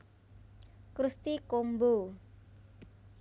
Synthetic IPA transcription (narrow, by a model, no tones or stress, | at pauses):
kɾust̪ikombo